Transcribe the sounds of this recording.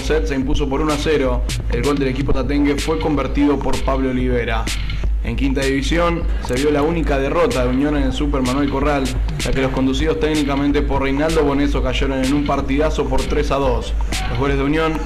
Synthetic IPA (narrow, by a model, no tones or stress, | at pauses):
set̪̚seimpuso̞po̞ɾunoaseɾo̞ | ḛlɣo̞ld̪e̞le̞kipo̞t̪at̪e̞ŋɡefwe̞ko̞mbeɾt̪iðo̞po̞ɾpaβloːliβ̞e̞ɾa | e̞̰ŋkint̪aðiβisjo̞n | se̞βjo̞launikað̞e̞ro̞t̪aðeunjo̞nenelsupeɾmanwelko̞ralʒ̥ake̞losko̞nd̪usið̞o̞st̪eɡnikament̪e̞porrejnald̪o̞βo̞ne̞so̞kaʒeɾo̞nenumpaɾt̪iðaso̞poɾt̪ɾe̞saðo̞s | loɣo̞le̞zðeunjo̞n